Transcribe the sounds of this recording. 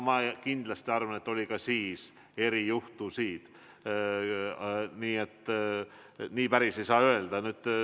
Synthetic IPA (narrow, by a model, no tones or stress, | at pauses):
mɑkind̪lɑst̪iɑrvɑne̞t̪ːo̞lʲikɑsiːs | e̞ɾijuht̪usiːt̪ | niːe̞t̪ː | niːpæɾise̞jsɑːøe̞ld̪ɑnyːd̪̥